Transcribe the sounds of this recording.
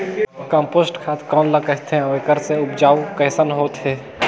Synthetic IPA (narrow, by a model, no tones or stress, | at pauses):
kə̃mpoːsʈkʰat̪ʰkɔːnləkəɦt̪ʰẽekəɾseʊpd͡ʒaːukəɦsənɦoːt̪ɦe